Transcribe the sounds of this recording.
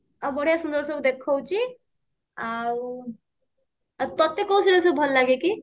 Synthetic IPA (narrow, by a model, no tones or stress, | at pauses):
abəɽ̤ijasũnd̪əɾsəbd̪ekʰɔwt͡ʃʰi | aw | t̪ɔt̪ːekːɔw̃seɾɔs̬əbʱɔlːaɡeki